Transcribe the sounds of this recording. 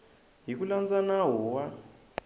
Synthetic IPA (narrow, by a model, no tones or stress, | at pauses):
ɦik̬uland͡zanawɔwa